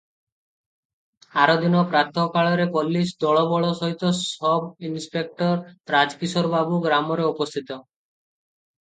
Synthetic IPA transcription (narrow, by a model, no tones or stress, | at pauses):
aɾɔd̪inɔpɾat̪ʰɔkaɭɔɾekɔlːisd̪ɔɭɔbɔɭɔsɔɦit̪ɔsɔbinspek̚ʈɔɾɾad͡ʒkisɔɾbabuɡɾamɔɾeɔpɔst̪ʰit̪ɔ